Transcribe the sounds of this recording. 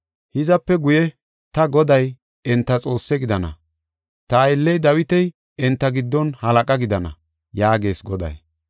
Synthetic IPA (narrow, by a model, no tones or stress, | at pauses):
hɪzɐpːɛɡʊjɛ | t̪ɐɡɔd̪ɐj | ɛnt̪ːɐt͡sʼo̞ːsːɛɡɪd̪ɐnɐ̰ | t̪ɐːjɪlːɛjd̪ɐwɪt̪ɛj | ɛnt̪ːɐɡɪd̪ːɔnhɐlɐkʼɐɡɪd̪ɐnɐ̰ | jaːɡe̞ːsɡɔd̪ɐ̰j